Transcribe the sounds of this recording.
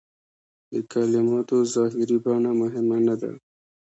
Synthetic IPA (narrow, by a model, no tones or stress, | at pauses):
d̪əkalɪmɑt̪ozɑɦɪɾibɑnamʊɦɪmanad̪a̰